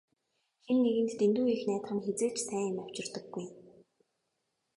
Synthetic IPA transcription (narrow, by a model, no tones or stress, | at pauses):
xenːeɣɘ̆nt̪t̪ent̪uːixnæːt̪χə̆ŋxet͡seːt͡ɕsʰæːnaw̥t͡ɕɪ̆rt̪ə̆ɡːuj